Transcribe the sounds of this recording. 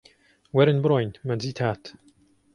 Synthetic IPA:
wɛɾɪnbɾɔjnmanziːt̪ʰat̪

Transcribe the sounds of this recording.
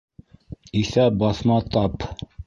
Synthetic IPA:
iθæbɑθmɑt̪ɑp

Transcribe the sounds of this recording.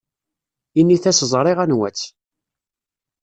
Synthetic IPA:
inːiθæsəzˤɾˤɪʁænwæt͡sː

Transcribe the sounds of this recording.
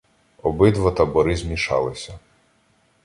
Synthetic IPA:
ɔbɪd̪ʋɐt̪ɐbɔɾɪzmʲiʃɑ̰lˠɪsʲɐ

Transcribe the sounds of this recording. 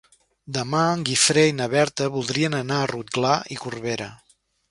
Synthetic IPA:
d̪əmaəŋɡifɾeinəβɛɾt̪əβulˠd̪ɾiənənaərut̪̚ɡlaikurβeɾə

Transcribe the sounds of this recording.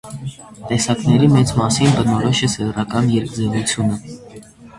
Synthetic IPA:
t̪ɛsɑknɛɾimɛt͡smɑsinbənɔɾɔʃɛsɛrɑkɑnjɛɾk̚d͡zɛvut͡sʰjunə

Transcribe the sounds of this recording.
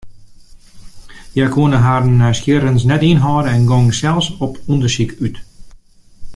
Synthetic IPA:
jakʰuənəɦaɾnːɛjskjɪɾənsnɛtinɦɔːɾəɛnɡɔŋsɛlˠsɔpundərsikyt

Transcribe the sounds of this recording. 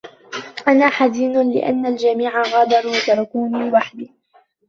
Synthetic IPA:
ʔanaːħaziːnlɪ̰ʔa̰nːald͡ʒamiːʕaɣɑːd̪ɑɾˤwat̪ɑɾˤɑkuːnɪwaħd̪ɪ

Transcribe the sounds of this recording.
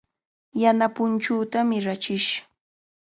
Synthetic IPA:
janapʊnt͡ʃuːt̪amɪɾat͡ʃɪʃ

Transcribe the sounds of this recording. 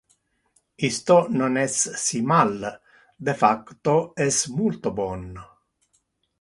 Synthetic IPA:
ist̪ononɛsːimal | d̪efakːt̪oɛsmult̪obɔnː

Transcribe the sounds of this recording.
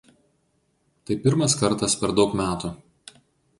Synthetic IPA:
t̪ɐɪpʲɪɾmɐskɐɾt̪ɐspʲɛɾd̪ɒʊkmʲæːt̪u

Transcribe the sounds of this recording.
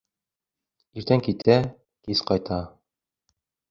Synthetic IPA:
iɾt̪æŋkit̪ʰæ | kizqɑjt̪ʰɑ

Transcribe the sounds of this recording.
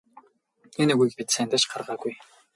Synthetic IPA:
enɘ̆ɣujk̚pʲit̪sæːnt̪æ̆ːʃɢarʁaːɡuj

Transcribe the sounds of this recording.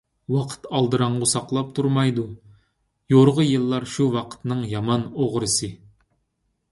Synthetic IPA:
wɑqʰə̥t̪ʰɑlˠd̪ɨɾɑɴʁʊsɑqlˠɑp̚t̪ʰuɾmɑjd̪u | joɾʁəjɨlˠːɑɾʃuwɑqʰə̥t̪nɨŋjɑmɑnoʁɾɨsɨ

